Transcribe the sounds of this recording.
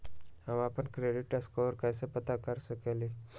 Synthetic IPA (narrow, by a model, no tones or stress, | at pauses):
aʋaapəɳkɾeɽiʈəskɔʋəɾkajsepət̪akaɾsəkali